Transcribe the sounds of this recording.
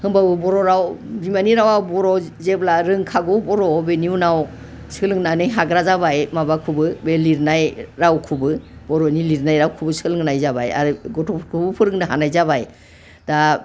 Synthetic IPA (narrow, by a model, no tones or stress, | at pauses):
hɯŋbabɯbɔɾɔɾawbimaniɾawabɔɾɔzeblaɾɯŋkʰaɡɔbɔɾɔbeniunaw | sɯlɯŋnanɯjɦaɡɾazabajmabakʰubɯbeliɾnajɾawkʰubɯb̥ɔɾɔniliɾnajɾawkʰubɯsɯlɯŋnajzabaja̰ɾiɡɔtʰɔkʰubɯpʰɯɾɯŋnɯɦa̰najzaβaj | da